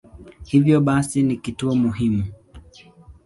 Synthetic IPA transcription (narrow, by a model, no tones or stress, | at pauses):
hivjɔɓasinikituɔmuɦimu